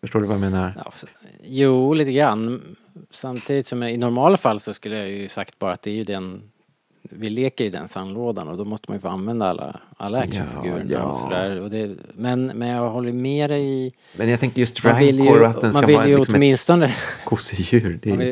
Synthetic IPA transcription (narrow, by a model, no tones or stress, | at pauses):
fœʂʈoːdɵvameːnaɾa̰juːliːt̪əɡɾanː | samt̪ʰiːd̪ɪt̪sɔmɪnɔɾmɑːlafalːsɔskɵlːəjajɵsakt̪̚bɑːɾat̪d̪ɛæɾjɵd̪ɛn | vɪleːkəɾɪd̪ɛ̰nsanːloːd̪anɔd̪ɔmɔst̪əmanjəfoːanvɛnd̪aa̰lːa̰a̰lːaakʂəffɡʉ̟ːɾə̰ɳa̰ɔ̰sɔd̪æ̰ːɾɔd̪ɛmɛnmɛnjɑɦɔlːəjmeːɾɛɪ | mɛnjat̪ʰɛŋkəɾjɵst̪avɪllːjɔat̪d̪ɛnmanavɪlːjəɔt̪mmɪnst̪ɔnəkʰʊsɪjʉ̟ːɾd̪ɛ